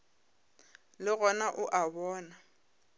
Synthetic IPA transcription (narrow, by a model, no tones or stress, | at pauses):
lɪɣɔnaʔʊʔabɔːna